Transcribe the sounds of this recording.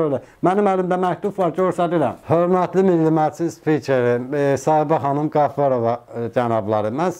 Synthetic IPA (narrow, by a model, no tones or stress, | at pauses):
ølæ | mænimælimd̪æmæct̪ubvɑɾd͡ʒoɾsæd̪iɾæ̰mhø̞ɾmæt̪ʰlimilːimæt͡ʃ̪ʰinspʰicʰeɾisɑːhibæɦɑnɯmɡɑfoɾo̞vɑd͡ʒænɑblˠɑɾɯmæn